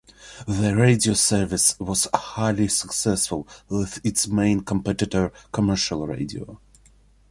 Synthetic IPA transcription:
ðəɹeɪdiosɜ˞vɪswɔz̥haɪlisə̥ksɛsfʊlˠwɪðɪtsmẽɪ̃nkʰə̃mpɛtɨtə˞kʰəmɜ˞ʃəlˠɹḛɪdio̰ʊ

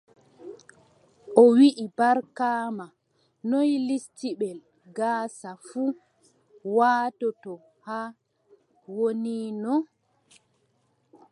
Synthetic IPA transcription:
ʔɔwiʔibaɾkaːma | nɔjlistiɓɛl | ɡaːsafu | waːtɔtɔ | ha | woniːnɔ

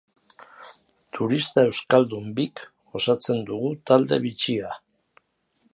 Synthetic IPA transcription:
t̪ʰuɾist̪ae̞wskald̪umbik | o̞sat͡se̞nd̪uɣut̪ald̪e̞̰βit͡sia

